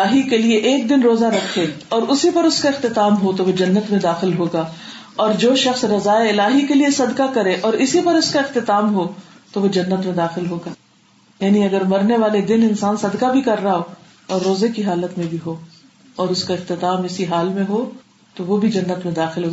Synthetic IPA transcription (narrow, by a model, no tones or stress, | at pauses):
ɪlaːɦikelieʔeːk̚d̪ɪnɾoːzaɾɐkʰːeɔːɾʊsipɐɾʊskaɪxt̪ɪt̪aːmɦot̪oʋod͡ʒɐnːət̪mẽd̪aːxɪlɦoːɡaː | ɔːɾd͡ʒoːʃɐxsɾɐzaːeɪlaːɦikeliesɐd̪kakɐɾẽʔɔːɾɪsipɐɾʊskaɪxt̪ɪt̪aːmɦoːt̪oʋod͡ʒɐnːət̪mẽd̪aːxɪlɦoːɡaː | jaːniɐɡəɾmɐɾneʋaːled̪ɪnɪnsaːnsɐd̪kabʱikɐɾːaɦoː | ɔːɾːoːzekiɦaːlət̪mẽbʱiɦoː | ɔːɾʊskaɪqt̪ɪt̪aːmɪsiɦaːlmẽɦoː | t̪oʋobʱid͡ʒɐnːət̪mẽd̪aːxɪlɦoː